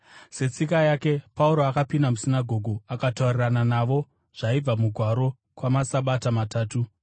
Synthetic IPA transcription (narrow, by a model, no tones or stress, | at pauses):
se̞t͡sikajake̞pauɾo̞akapindamusinaɡʱo̞ɡʱuakataurirananaʋo̞ | ʐ̥aib͡vamuɡʱwaɾo̞ | kwamasaɓatamataːtu